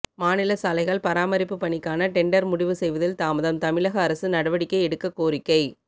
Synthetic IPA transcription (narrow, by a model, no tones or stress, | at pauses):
maːnɪlɐsaːlɐɪɣɐɭpɐɾaːmɐɾɪpːɯpːɐɳɪkːaːnɐʈɛɳɖɐɾmʊɽɪʋɯsɛjʋɐðɪlt̪aːmɐðɐmt̪ɐmɪɭɐɣɐːɾɐsɯnɐɽɐʋɐɽɪkːɐɪɛɽɯkːɐkːoːɾɪkːɐɪ